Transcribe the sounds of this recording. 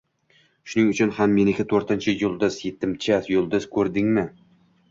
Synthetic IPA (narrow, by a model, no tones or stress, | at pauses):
ʃʊnɪŋʊt͡ʃʰʊnhamːe̞nɪkʲɪt̪ʰɵɾt̪ɪnt͡ʃʰɪjʊlˠd̪ɪzje̞t̪ʰːɪmt͡ʃʰat̪jolˠd̪ʊz̥kʰɵɾd̪ɪŋmɪ